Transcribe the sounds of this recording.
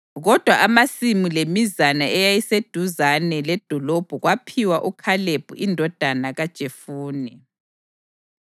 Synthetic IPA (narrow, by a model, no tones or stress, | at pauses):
ɣɔd̥ʱwaʔamasimulemizanaɛjajised̥ʱuzanɛlɛd̥ʱɔlob̥ʱuɣwapʰiwaʔukʰaleb̥ʱṵindʱɔd̥ʱanaɣad̥ʒ̥ʱefuːnɛ